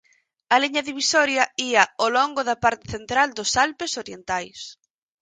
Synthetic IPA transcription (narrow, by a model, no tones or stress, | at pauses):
ɐliɲɐðiβisɔɾjɐiɐolɔŋɡʊðɐpaɾt̪ɪθent̪ɾald̪ʊsalpesoɾjent̪ajs